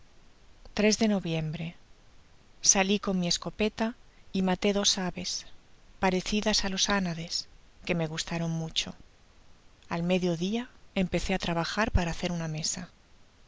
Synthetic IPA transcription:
t̪ɾe̞zðe̞no̞βje̞mbɾe̞ | saliko̞nmie̞sko̞pe̞t̪aimat̪e̞ðo̞saβe̞spaɾe̞θiðasalo̞sanaðe̞s | ke̞me̞ɣ̞ust̪aɾo̞ŋmut͡ʃo̞ | alme̞ðjo̞ðiae̞mpe̞θe̞at̪ɾaβaxaɾpaɾaːθe̞ɾuname̞sa

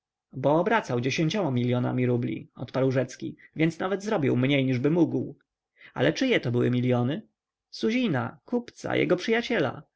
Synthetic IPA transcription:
bɔːbɾat̪sawd͡ʑeɕeɲt͡ɕɔmamʲilʲjɔna̰mʲiɾublʲḭɔ̰t̪paɾwʐɛt̪skʲḭvʲjɛntsnavɛd̪zɾɔbʲiwmɲejɲiʐbɘmuɡw | a̰lɛt͡ʂɘjɛt̪ɔbɘwɘ̰mʲilʲjɔnɘ | suʑina̰kupt̪sa̰jʔɛ̰ɡɔpʂɘjat͡ɕɛla̰

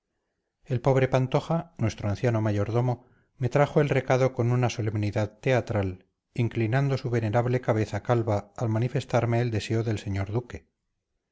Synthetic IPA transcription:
e̞lpo̞β̞ɾe̞pant̪o̞xanwe̞st̪ɾoanθjano̞maʝo̞ɾðo̞mo̞ | me̞t̪ɾaxo̞e̞lre̞kaðo̞ko̞nunaso̞le̞mniðaðt̪e̞at̪ɾal | iŋklinand̪o̞suβe̞ne̞ɾaβle̞kaβ̞e̞θakalβaːlmanife̞st̪aɾme̞ːld̪e̞se̞oðe̞lse̞ɲo̞ɾðuke̞

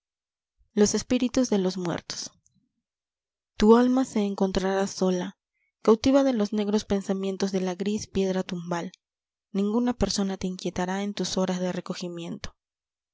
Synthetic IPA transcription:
lo̞se̞spiɾit̪uzðe̞lo̞zmwḛɾt̪o̥s | t̪ualmase̞ːŋko̞nt̪ɾaɾaso̞la | kawt̪iβaðe̞lo̞zne̞ɣɾo̞spe̞nsamje̞nt̪o̞zðe̞laɣɾispje̞ðɾat̪umbal | nĩŋɡunape̞ɾso̞nat̪eiŋkje̞t̪aɾae̞nt̪uso̞ɾazðere̞ko̞ximje̞nt̪o̥

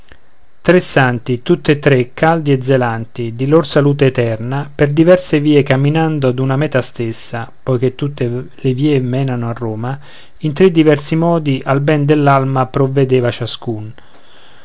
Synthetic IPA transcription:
t̪ɾesːant̪it̪ut̪ːet̪ːɾekʰːald̪ied̪zːelant̪id̪ilorsaluːt̪eːt̪ɛrnaperd̪ivɛrseviːekamːinand̪oad̪unamɛːt̪ast̪esːapɔjk̟et̪ːut̪ːeleviːemɛːnanoarːoːma | int̪ɾed̪ːivɛrsimɔːd̪iʔalbɛnd̪elːalmapɾovːed̪eːvat͡ʃaskun

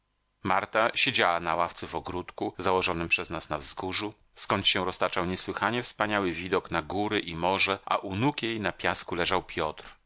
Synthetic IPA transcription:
maɾt̪aɕed͡ʑawanawaft̪sɛvɔɡɾut̪kuzawɔʐɔnɘmpʂɛznasnavzɡuʐu | skɔɲt͡ɕɕɛ̃ɾɔst̪at͡ʂawɲɛswɘxaɲɛfspaɲawɘvʲid̪ɔknaɡuɾɘʔimɔʐɛʔa̰ʔunukjejnapʲjaskulɛʐawpʲjɔt̪ɾ

